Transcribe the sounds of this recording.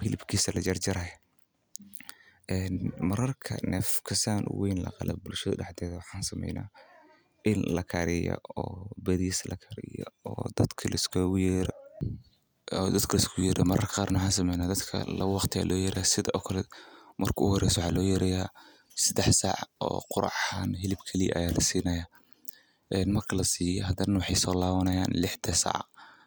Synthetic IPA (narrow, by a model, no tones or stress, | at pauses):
hɪlɪbkʰiːsɐlɐt͡ʃɐrt͡ʃɐɾaj | ʔɛːnmɐɾɐrkʰɐ̰nɛːfkʰɐsaːnʔwɛjnlɐ̰qɑlɛbʊlʃɐðɐɖɛħd̪ɛːðɐwɑħɑːnsɐmɛ̰jna̰ː | ʔɪnlɐkʰɐɾɪjɔ̰ɔːbɛðislɐkʰɐɾɪjɔ̰ɔːd̪̥ɐd̪̥kʰɐlɪskʰjɛɾ | d̪ɐd̪kʰɐlɪskʰjɛɾɐmɐɾɐrkʰɐqaːɾnɐħaːns̬ɐmɛjnaːd̪ɐd̪kʰɐ̰lɐ̰ɣʊwɑqt̪ʰɪa̰ːlʔɔːjɛɾɪjaːsɪðɐʔɔːkʰɐlɛmɐrkʰʊʊhɔɾɛjsɔwɑħɑ̰ːlɔːjɐɾɛja | sɐd̪ɛħsaʕɔ̰ːqʊɾɑ̰ʕhanhɛlɪbkʰɐliʔɐ̰jaːlɐsiːnɐja | ʔɛnmɐrkʰɐlɐsiːjɔɦɐd̪ɐnɐwɑħɑjsɔːlaːβɐnɐjaːnlɪħd̪ʰɐsɑ̰ʕ